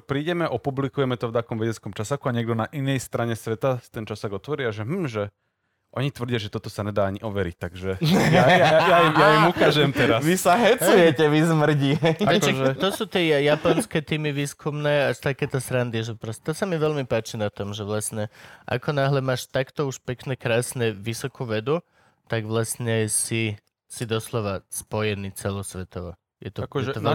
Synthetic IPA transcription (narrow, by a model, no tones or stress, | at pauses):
pɾiːɟɛmɛʔɔpublikujɛmɛt̪ɔft̪akɔmʋɛɟɛt͡skɔmt͡ʃasakuaɲɪɛɡ̚d̪ɔnaʔinɛjst̪ɾaɲɛsʋɛt̪at̪ɛnt͡ʃasaɡɔt̪ʋɔɾɪaʒɛm̩ːʒɛ | ʔɔɲit̪ʋɾr̩dɪaʒɛt̪ɔt̪ɔsaɲɛd̪aːaɲiʔɔʋɛɾic̚t̪aɡʒɛaajaimjajimukaːʒɛmt̪ɛɾasʋisaɦɛt͡sujɛcɛʋizmr̩ɟiɛɛɛt̪ɔsuːt̪ɪɛjapɔnskɛt̪iːmiʋiːskʰumnɛːaʃt̪akɛːt̪ɛsɾand̪iʒɛpɾɔscɛt̪ɔsamiʋɛlmipaːt͡ʃinat̪ɔmʒɛʋlasɲɛʔa̰kɔnaɦlɛmaːʃt̪akt̪ɔuʃpɛknɛkɾaːsnɛʋisɔkuːʋɛd̪u | t̪aɡʋlasɲɛsi | sid̪ɔslɔʋaspɔjɛniːt͡sɛlɔsʋɛt̪ɔʋɔ̰ | jɛt̪ɔd̪a